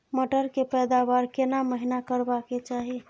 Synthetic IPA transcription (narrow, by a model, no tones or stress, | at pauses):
məʈəɾkepɛd̪abaɾkenaməɦinakəɾbaket͡ʃaɦi